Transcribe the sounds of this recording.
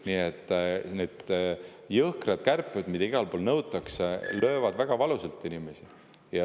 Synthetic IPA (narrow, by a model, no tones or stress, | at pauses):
niːet̪ːˑneːd̪̥ | jɤhkred̪̥kærpːˑed̪̥mid̪̥ɑiɡ̥ɑlpoːlnɤwt̪ːˑɑkslø̞ːvɑd̪̥væɡ̥ɑvɑluselt̪ːˑinimesi | jɑ